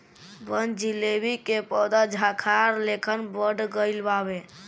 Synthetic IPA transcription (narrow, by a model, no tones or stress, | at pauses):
bənd͡ʒilebikepɔd̪ad͡ʒʱakʰaɾlekʰənbəɖɡəɪlbabe